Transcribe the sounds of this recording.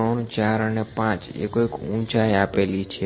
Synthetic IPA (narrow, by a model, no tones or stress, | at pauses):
əɳt͡ʃaɾənepãt͡ʃḛkoikũt͡ʃajapelit͡ʃʰe